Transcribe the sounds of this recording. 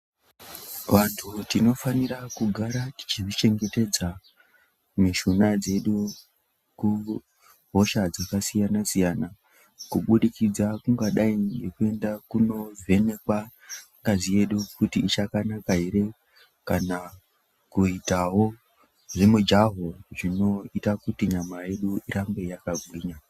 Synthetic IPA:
ʋantʰutino̞faniɾakuɡʱaɾati̥t͡ʃiʐit͡ʃe̞ŋɡe̞te̞d͡za | meʃunad͡ze̞ɗu | ku | ɦo̞ʃad͡zakasijanasijana | kuɓuɗikid͡zakuŋɡaɗaiɡe̞kue̞ndakuno̞vʱe̞nekwaŋɡazije̞ɗukutiːt͡ʃakanakaɦiɾe̞ | kana | kuitawo̞ | ʐemud͡ʒaɦoʐino̞itakutiɲamaje̞ɗuiɾambe̞jakaɡʱwiːɲa

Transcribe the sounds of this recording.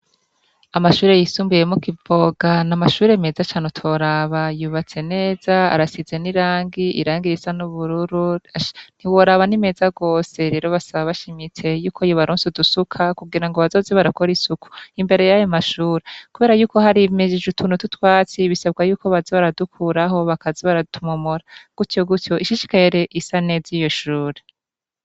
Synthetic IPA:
amaʃuːɾe̞jisuːmbuje̞mukivo̞ɡanamaʃuːɾeme̞zat͡ʃaːnutʰoɾaβajuːβat͡se̞ne̞ːz̥aa̰ɾasize̞niɾaːŋɡiʔḭɾaːŋɡiɾisanuβuɾuɾuan̥iwo̞ɾaβanime̞ːzaɡo̞ːse̞ɾe̞ɾo̞βasaβaβaʃimit͡se̞juːkʰojoβaɾoːnsudusukʰakuɡiɾaŋɡoβazo̞zeβaɾako̞ɾisuku̥imbe̞ɾe̞jajomaʃuːɾekuβe̞ːɾajuːko̞haɾimeʒiʒutʰuːnututwaːt͡siβisab̚ɡajuːko̞βazeβaɾadukʰuːɾaɦo̞βakaziβaɾatumomoɾaɡ̥utjoɡutjo̞ʔiʃiʃi̥kaheɾe̞ʔisanezijo̞ʃuːɾe

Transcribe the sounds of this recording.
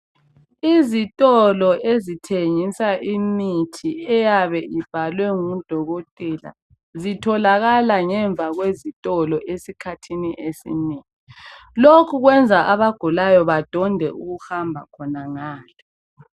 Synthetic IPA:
izitʼɔlɔezitʰeŋisaʔimitʰiɛjaβɛʔib̥ʱalwɛŋud̥ʱɔɣotʼɛla̰ | zitʰɔlaɣalaŋɛɱb̪vʱaɣwezitʼɔlɔʔesikʰatʰiniʔesḭmitʰilokʰuɣwɛnd͡zʱaʔaβaɡ̥ʱulajɔβad̥ʱɔndʱɛʔuɣuhambʱakʰɔnaŋaːlɛ

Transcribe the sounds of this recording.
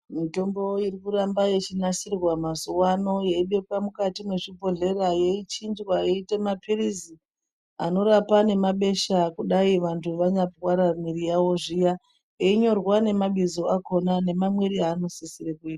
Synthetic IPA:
mito̞mbo̞irikurambaje̞t͡ʃinaʃirwamazuwano̞jeiɓe̞kwamukatimwe̞ʐibʱo̞ɮe̞ɾajeit͡ʃind͡ʒwajeite̞mapʰirizi | a̰no̞ɾapane̞maɓe̞ʃakuɗaiʋantʰuʋaɲapwaɾamiɾijawo̞ʐija | eiɲo̞rwane̞maɓizoako̞nane̞mamweɾiaːno̞sisiɾekuiːta

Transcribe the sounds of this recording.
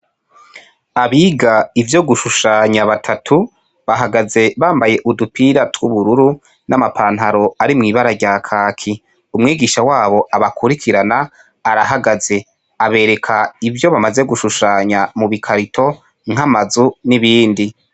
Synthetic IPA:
aβiːɡaivjo̞ɡuʃuʃaːɲaβatʰatʰu | βaɦaɡaze̞βaːmbaje̞ʔudupiɾatwuβuɾuɾu | namapʰaːnɦaɾo̞aɾimŋiːβaɾaɾɟaːkʰaːkʰi | umŋiːɡiːʃawaːβo̞aβakʰuɾikʰiɾanaː | ɾaɦaɡaze̞ | aβe̞ːɾe̞kʰaivjo̞βamaze̞ɡuʃuʃaːɲamuβikʰaɾitʰo̞ | ŋ̥amazuniβiːndi

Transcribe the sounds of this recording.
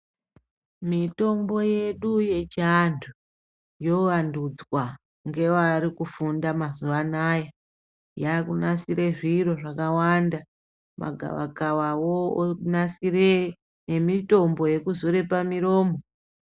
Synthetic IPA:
mito̞mbo̞je̞ɗuje̞t͡ʃandtʰu | jo̞ʋandud͡zwa | ŋɡe̞ʋaɾikufundamazuʋanaja | jakunasiɾeʐiro̞ʐakawanda | ma̰ɡʱa̰ʋa̰ɡawawonasire | ne̞mito̞mbo̞je̞kuzoɾe̞pamiɾo̞ːmo

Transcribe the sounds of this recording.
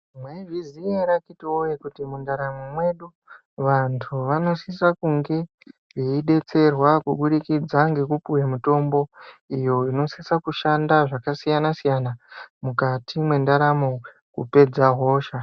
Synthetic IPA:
mwevizieɾakitiojekutimundaɾamomwe̞ɗu | ʋantʰuʋano̞sisakuŋɡe̞ | jeiɗe̞t͡se̞rwakuɓuɗikid͡zaŋɡe̞kupuwemuto̞mbo̞ijo̞ino̞sisakuʃandaʐakasijanasijanamukatʰimwe̞ndaɾamo | kṵpe̞d͡zaɦo̞ːʃa

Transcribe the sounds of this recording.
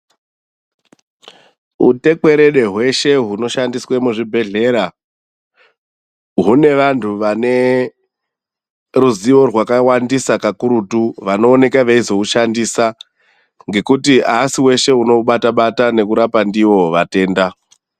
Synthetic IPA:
ṵte̞ke̞ɾe̞ɗe̞ɦwe̞ʃe̞ɦuno̞ʃandiswemuʐibʱe̞ɮe̞ːɾa | ɦune̞ʋantʰuʋane̞ | ruziʋo̞rwakawandisakakuɾutuʋano̞ːne̞kaʋeizo̞uʃandiːsa | ŋɡe̞kutiasiwe̞ʃe̞uno̞ɓataɓatane̞kuɾapandiwo̞ʋate̞ːnda

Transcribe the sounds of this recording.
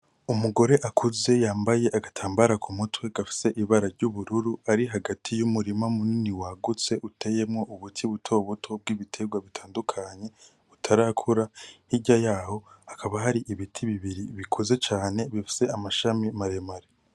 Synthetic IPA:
umuɡo̞ɾe̞ʔakʰuze̞jaːmbaje̞ʔaɡatʰaːmbaɾakʰumutwe̞ɡafi̥se̞ʔiβaɾaɾɟuβuɾuɾuaɾiɦaɡatʰijumuɾimamuniniwaɡut͡se̞ʔutʰe̞je̞mŋo̞ʔuβutʰiβutʰo̞ːβutʰo̞b̚ɡiːβitʰe̞ɡwaβitʰaːndukʰaɲe̞ | utʰaɾaːkʰuɾahiɟajaːho̞akʰaβaɦaɾiʔiβitʰiβiβiɾiβikʰuze̞t͡ʃaːne̞βifi̥se̞amaʃamimaɾe̞maɾe

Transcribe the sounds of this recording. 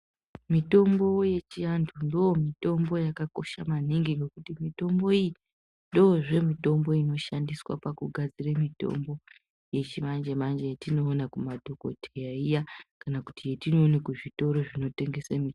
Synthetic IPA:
mito̞mbo̞je̞t͡ʃiantʰundoomito̞mbo̞jakako̞̰ʃamaniŋɡiŋɡe̞kutimito̞mbo̞iji | ndoːʐe̞mito̞mbo̞ino̞ʃandiswa̰pakuɡʱad͡ziremito̞̰mbo̞ | je̞t͡ʃimand͡ʒemand͡ʒejetino̞ːnakumadʱo̞ko̞̰tʰejaijakanaku̥tijetino̞ːnekuʐito̞ɾo̞ʐino̞te̞ŋɡe̞semi

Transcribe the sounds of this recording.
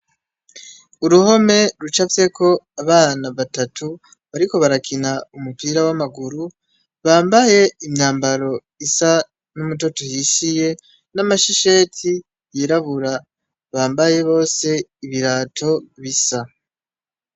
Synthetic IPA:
uɾuho̞me̞ɾut͡ʃafje̞kʰo̞aβaːnaβatatʰu | βaɾiko̞βaɾakʰinaumupiːɾawamaɡuɾu | βaːmbaje̞imɲaːmbaɾo̞ | isa | numut̬o̞tohiʃije̞ | namaʃiʃe̞ːtʰi | jiːɾaβuɾa | βaːmbaje̞βo̞ːse̞iβiɾaːtʰo̞βisa

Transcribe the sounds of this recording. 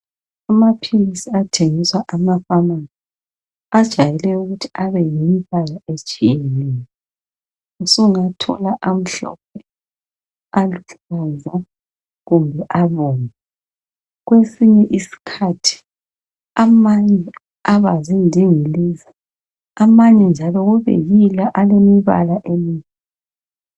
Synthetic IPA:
amapʰilisiatʰeŋiswaʔamafamazi | ad̥ʒ̥ʱajɛlɛuɣutʰi̥aβɛjimpalaet͡ʃʼijeniːnɛ | usuuŋatʰɔ̰laʔam̩ɬɔ̰p̚ʰɛ | aluɬɔza | ɣumbʱɛʔaβɔːna | ɣwesiɲɛʔisi̥kʰatʰi̥ | amaɲɛ | aβazindʱiŋiliːzi | amaɲɛnd͡ʒʱalɔɣuβḛjilaʔalemiβa̰laʔemiːɲɛ

